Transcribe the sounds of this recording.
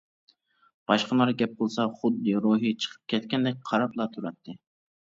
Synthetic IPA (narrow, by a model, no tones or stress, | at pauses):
b̥ɑʃqɑnɑɾɡʲɛp̚qolˠsɑχʊd̪ːɨɾoɦit͡ʃʰə̥qʰə̥p̚kʲʰɛt̪kʲɛnd̪ɛk̚ʲqʰɑɾɑplˠɑt̪ʰuɾɛt̪ʰːɨ